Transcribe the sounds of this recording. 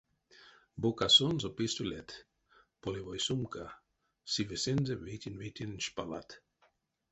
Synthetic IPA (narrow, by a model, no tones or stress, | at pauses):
bokasonzopist̪ulʲet̪ | polʲivojsumka | sivesenzevit̪ʲinvit̪ʲinʃpala̰t̪